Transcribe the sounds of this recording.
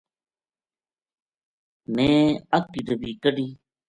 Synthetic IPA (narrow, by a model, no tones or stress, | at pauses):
mẽːəkidəbiːkəɖiː